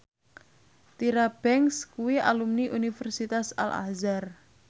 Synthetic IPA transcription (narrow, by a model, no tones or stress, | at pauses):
t̪iɾab̥ɛŋskuwia̰lumniʔunifɛrsit̪asa̰lʔa̰zar